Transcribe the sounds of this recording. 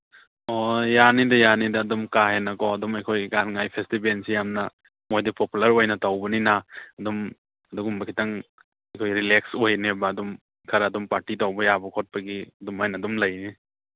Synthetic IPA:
ojanidɐjanidɐːdumkaɦenɐkɔɐdumɐjkʰojɡanŋajpʰestibensijamnɐ | mojdipopulɐɾojnɐtawbɐninaːdum | ɐduɡumbɐkʰitaŋ | ɐjkʰojɾilek̚sojnebɐːdum | kʰɐɾaːdumpaɾtitawbɐjabɐkʰot̚pɐɡiɐdumajnadumlɐjni

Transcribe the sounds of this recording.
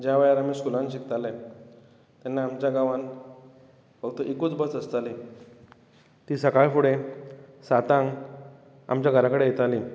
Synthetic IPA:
d͡ʑjaʋəjaɾamiːskulãnɕikt̪alɛ | t̪ɛnːaːmt͡ɕjaɡaʋãn | bəɡt̪əʔikut͡sbət͡səst̪ali | t̪iːsəkaɭfuɽesat̪ãŋɡ | a̰mt͡ɕjaɡʱəɾakəɽejet̪aliː

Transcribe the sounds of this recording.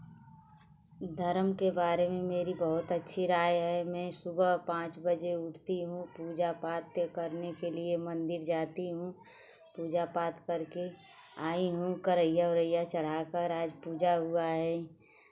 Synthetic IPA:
d̪ʱəɾmkebaːɾemẽmeːɾibəɦʊt̪ətːʃʰiɾaːjɦɛmɛ̃ːsʊbəɦpãːt͡ʃbəd͡ʒeʊʈʰt̪iɦũpuːd͡ʒapaːt̪jəkəɾnekeliemə̃nd̪ɪɾd͡ʒaːt̪iɦũ | puːd͡ʒapaːt̪kəɾke | aːiɦũkəɾəijaɾəijat͡ʃəɽ̤aːkəɾaːd͡ʒpuːd͡ʒaɦʊaɦɛ̃

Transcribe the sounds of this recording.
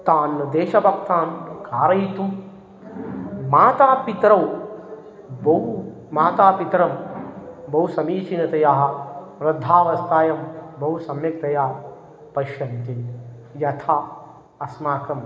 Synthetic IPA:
t̪aːnːɐd̪eːʃɐbʱɐkt̪aːnkaːɾɐjt̪um | maːt̪aːpit̪ɾɐw | bɐɦu | maːt̪aːpit̪ɾɐm | bɐwusɐmiːt͡ʃinɐt̪ɐjaːɦɐɾɐd̪ʱːaːʋɐst̪aːjɐmbʱɐɦusɐmjɐk̚t̪ɐjaː | pɐʃjɐnt̪i | jɐt̪ʰaː | ɐsmaːkɐm

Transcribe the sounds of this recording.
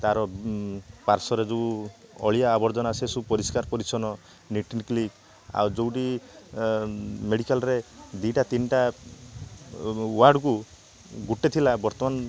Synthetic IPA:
t̪aɾɔ | paɾsɔɾed͡ʒuuɔɭijaːbɔɾd͡ʒɔnasesupɔɾiskaɾpɔɾisɔnɔ | niʈinklik | a̰wd͡ʒowʈi | meɽikalɾed̪iʈat̪inʈa | waɾɖku | ɡuʈːet̪ʰilabɔɾt̪ɔman

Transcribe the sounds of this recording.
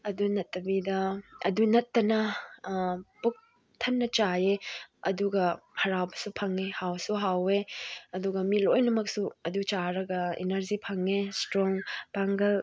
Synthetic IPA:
ɐdunɐtːɐbidɐɐ̰dunɐtːɐnɐ | buk̚ | tʰɐnːɐt͡ʃajeɐduɡɐhɐɾawbɐ̥supʰɐŋehawsuɦaweɐduɡɐmilojnɐmɐk̚suɐdut͡ʃaɾɐɡɐḛnɐɾd͡ʒipʰɐŋestɾɔŋpaŋɡɐl

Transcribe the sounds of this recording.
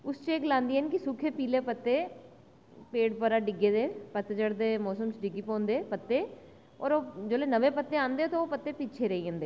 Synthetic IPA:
ʊst͡ʃeːɡlãːnd̪iːɦɛnkɪsʊkʰeːpiːleːpət̪ːeː | peːʈpəɾaːɖɪɡeːd̪eːpət̪ːeːd͡ʒəɽd̪eːmɔːsəmt͡ʃɖɪɡiːpɔ̃ːnd̪eːpət̪ːeː | ɔ̰ːɾoːd͡ʒoːleːnəʋeːpət̪ːeːãːnd̪eːot̪oːoːpət̪ːeːpɪt͡ʃʰeːɾəiːɦə̃nd̪eː

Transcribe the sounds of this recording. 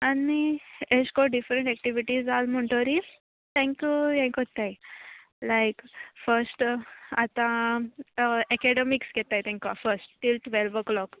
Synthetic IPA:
anieskoɖifɾəɳʈɛk̚ʈiʋiʈizd͡zalm̤əɳʈ̪oɾi | t̪ʰɛ̃ŋkjujãŋkɦot̪ːaj | lajkfəɾsʈat̪ã | ɛkɛɖemiksɡɛt̪ajt̪ʰɛ̃ŋkjuʋafəɾsʈʈilʈʋelʋəklɔk

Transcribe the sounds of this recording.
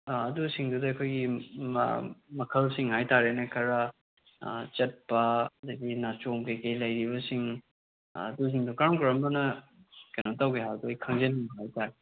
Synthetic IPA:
ɐdusiŋdudɐɐkʰojɡḭ | mɐkʰɐlsiŋhajtaɾenekʰɐɾɐ | t͡ʃɐt̚pɐɐdɐɡinat͡ʃomkejkejlɐjɾibɐsiŋ | ɐduziŋdukaɾmkɾɐmbɐnɐkɐjnotawɡeɦawdojkʰɐŋzeniŋbɦajtaɾe

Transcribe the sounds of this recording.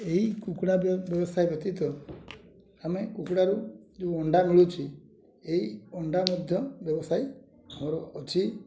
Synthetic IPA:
eɦikukɽabjɔbɔsʰajbjɔt̪it̪ɔ | amekukuɽaɾud͡ʒeɔɳɖamiɭut͡ʃʰi | eiɔɳɖamɔd̪ʱjɔbjɔbɔsaj | amɔɾɔʔːt͡ʃʰi

